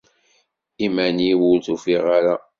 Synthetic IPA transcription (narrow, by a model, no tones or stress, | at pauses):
imæniwʊlθufiʁaɾa